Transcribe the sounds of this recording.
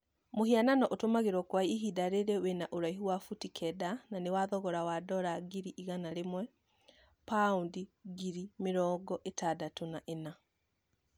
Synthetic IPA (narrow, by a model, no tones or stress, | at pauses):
mohiananɔʔotomaɣeɾwɔkwaiiɦidaɾeɾewenaʔoɾaiɦuwafutikʰɛdananewaðɔɣɔɾawadɔɾaɡiɾiʔiɣanaɾemwɛ | paundiɡiɾimeɾɔːɡɔʔetadatonaʔena